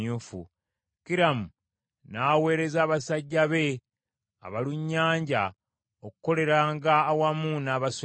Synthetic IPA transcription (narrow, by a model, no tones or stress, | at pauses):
uːfṵ | kiɾamu | naːwe̞ːɾe̞zaːβasaɟːaβe̞ | a̰βaluɲːaːɲɟa | okuko̞le̞ɾaːŋɡaːwamuːnaːβas